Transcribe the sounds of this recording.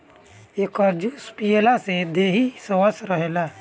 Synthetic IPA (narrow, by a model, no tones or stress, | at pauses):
ekəɾd͡ʒuːspijelased̪eːɦisəwəsɾəɦelaː